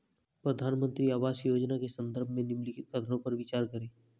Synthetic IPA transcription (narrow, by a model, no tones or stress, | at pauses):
pɾəd̪ʱaːnmə̃nt̪ɾiaːʋaːsjoːd͡ʒnakesə̃nd̪əɾbʱmẽnɪmlɪkɪt̪̚kʰət̪ʰɾõpɐɾʋɪt͡ʃaːɾkəɾeː